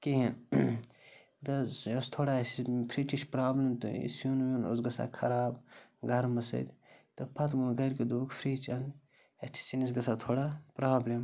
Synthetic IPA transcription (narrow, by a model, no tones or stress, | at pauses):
kiɦin | b̪ɐost̪ʰoːɽasipʰɾit͡ʃit͡ʃpɾaːblemt̪ṵḭsunʋuno̰sɡɐsa̰ːkʰɐɾaːbɡɐɾmɐsɐ̰d̪ʲt̪ɨpʰɐt̪munɡɐɾked̪ukpʰɾiːt͡ʃɐn | ɐt̪ʰi̥sinis̬ɡɐsat̪ʰoːɽapɾaːblem